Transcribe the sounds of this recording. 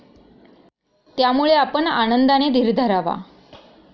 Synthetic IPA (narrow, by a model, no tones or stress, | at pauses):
t̪jamuɭeapəɳa̰nənd̪aned̪ʱiɾd̪ʱəɾaʋa̰